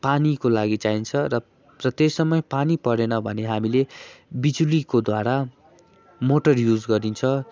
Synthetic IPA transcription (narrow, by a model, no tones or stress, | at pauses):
panikolaɡit͡saint͡sʰʌrʌ | rʌt̪esʌmːʌjpanipʌɾenʌbʱʌneɦamilebid͡zulikod̪waɾa | moʈʌrjud͡zɡʌɾint͡sʰʌ